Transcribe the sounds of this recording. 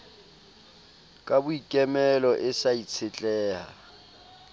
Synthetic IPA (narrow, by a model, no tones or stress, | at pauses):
kʼabʊikʼɛmɛlɔʔɪsait͡sʰɪt͡ɬʼɛːha̰